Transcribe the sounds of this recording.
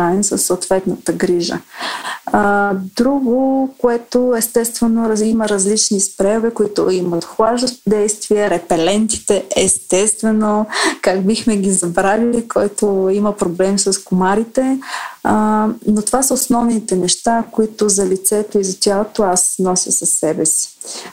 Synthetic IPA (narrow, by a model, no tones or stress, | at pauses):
aɛmsəsːoːt̪vɛt̪nət̪əɡɾiʒə̰ | d̪ɾuɡokoɛt̪oɛst̪ɛst̪vɛnoɾiməɾɐzlit͡ʃnispɾɛovɛkoit̪ʊ̰imət̪xvˠaʒd̪əʃt̪od̪ɛjst̪viəɾɛpɛlɛnt̪i̥t̪ɛɛst̪ɛst̪vɛnokaɡbixmɛɡʲizɐbɾavilikʰɔjt̪oiməpɾoblɛmsəskomaɾit̪ɛ | not̪ovasəosnɔvnit̪ɛnɛʃt̪akoit̪ozɐlʲit̪sɛt̪oizɐt̪ʲjalˠot̪oasnɔsʲjəsɐsːɛbɛsi̥